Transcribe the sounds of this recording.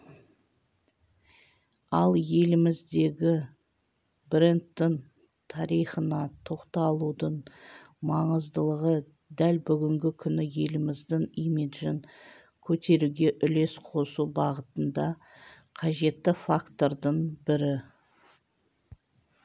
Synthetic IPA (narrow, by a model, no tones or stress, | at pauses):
ɑlˠje̞lɪmɪzd̪e̞ɡʲɪ | brent̪ːɪŋ | t̪ʰɑɾijχənɑt̪ʰo̞qt̪ɑlˠud̪əɴ | mɑɴəzd̪əlˠəʁə | d̪ælbʏɡʲɪŋɡʲɪkʲʰʏnɪje̞lɪmɪzd̪ɪŋijmed̪ʒɪŋ | kʲʰɵt̪e̞ɾuɡʲe̞ʔʏle̞sqʰosubɑʁət̪ənd̪ɑ | qʰɑʒe̞t̪ːɪfakt̪o̞ɾd̪əɴbɪɾɪ